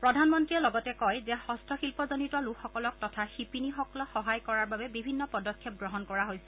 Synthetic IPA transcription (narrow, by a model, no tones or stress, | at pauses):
pɹɔdʱanmɔntɹiɛlɔɡɔtɛkɔjzɛxɔstʰɔxilpɔzɔnituwalukxɔkɔlɔk̚tɔtʰaxipinixɔkɔlɔxɔɦajkɔɹaɹbabɛbibʱinːɔpɔdɔkʰːjɛp̚ɡɹɔɦɔnkɔɹaɦojsɛ